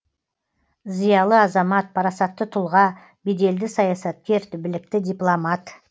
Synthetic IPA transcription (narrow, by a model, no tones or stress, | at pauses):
zijɑlˠəɑzɑmɑt̪̚pʰɑɾɑsɑt̪ːət̪ʰʊlˠʁɑ | bed̪e̞ld̪ɪsɑjɑsɑt̪̚kʲe̞ɾt̪ʰʏbɪlɪk̚t̪ɪd̪ijplˠomɑt̪